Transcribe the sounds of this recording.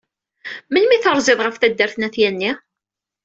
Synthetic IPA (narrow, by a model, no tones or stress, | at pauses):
mənmiθəɾˤzɪðˤʁəfθæd̪ːəɾθnæθjænːi